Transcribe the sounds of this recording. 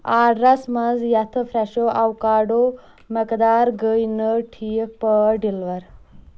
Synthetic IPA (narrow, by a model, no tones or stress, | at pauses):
aːɽɾɐsmɐzjɐt̪ʰəfɾɛʃoʔawkaːɖo | məkd̪aːɾɡəjnəʈʰipəɖilʋɐɾ